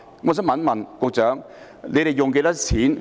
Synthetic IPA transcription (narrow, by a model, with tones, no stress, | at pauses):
ŋɔ˧˨s̬i˦˥mɐ˨˥nmɐ˨nkʊ˨˧k̚t͡sœː˨˥ŋ | le˨˧ɾe˨jʊ˨˩ŋk̬e˧˥tɐ˥t͡sʰiː˨˥n